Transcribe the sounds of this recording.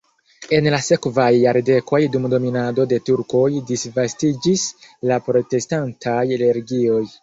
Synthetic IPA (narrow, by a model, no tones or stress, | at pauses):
e̞nlase̞kvajːaɾde̞kʰo̞jdumdo̞minado̞de̞tuɾko̞jdisvastid͡ʒislapɾo̞te̞stantʰajaleɾɡio̞j